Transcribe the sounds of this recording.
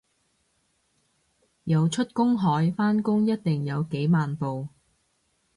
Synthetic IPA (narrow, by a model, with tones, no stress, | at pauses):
jɐ˨˧wt͡ʃʰɵ˥t̚kʊ˥ŋɦɔː˨˥jfaː˥nkʊ˥ŋjɐ˥t̚t̪ɪ˨ŋjɐ˨˧wke˨˥jmaː˨npo˨w